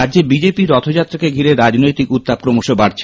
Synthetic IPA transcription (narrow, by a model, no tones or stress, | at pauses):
adːʑebid͡ʑepiɾɔt̪ʰod͡ʑat̪ːɾakeɡʱiɾeɾad͡ʑnojt̪ikut̪ːab̚kɾomoʃobaɾt͡ɕʰ